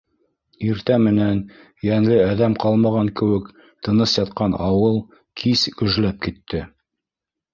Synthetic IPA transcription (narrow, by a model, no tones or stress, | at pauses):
iɾt̪æmɘ̆næn | jæŋlɘæðæmqɑlˠmɑʁɑŋkɘ̆wɘk | t̪ɤ̆nɤsjɑt̪̚qɑnɑwɤlˠ | kʰiskɵ̆ʒlæp̚kit̪ʰːɘ